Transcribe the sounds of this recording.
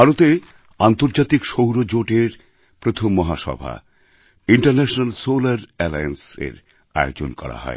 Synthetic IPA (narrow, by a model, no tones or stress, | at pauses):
baɾot̪e | ant̪oɾd͡ʑat̪ikʃowɾod͡ʑoʈeɾ | pɾot̪ʰomːɔɦaʃɔ̰bʱa̰ | iɳʈaɾnɛʃonalsolaɾɛlajensḛɾ | aeod͡ʑo̰nkɔ̰ɾa̰ɦɔ̰e